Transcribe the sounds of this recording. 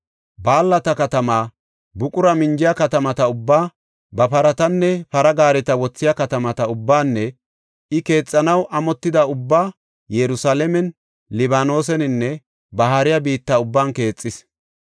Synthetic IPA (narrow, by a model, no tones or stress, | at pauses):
baːlːɐt̪ɐkɐt̪ɐmaː | bʊkʼʊɾɐmɪnd͡ʒɪjɐkɐt̪ɐmɐt̪ɐʊbːaː | bɐpɐɾɐt̪ɐnːɛpɐɾɐɡaːɾɛt̪ɐwɔt͡sːɪjɐkɐt̪ɐmɐt̪ɐʊbːaːnːɛ | ɪke̞ːt͡sʼːɐnɐwʔɐmɔt̪ːɪd̪ɐʊbːaː | jɛɾʊsaːlɛmɛn | lɪβaːno̞ːs̬ɛnɪnːɛ | bɐɦaɾɪjɐbiːt̪ːɐʊbːaːnke̞ːt͡sʼːɪs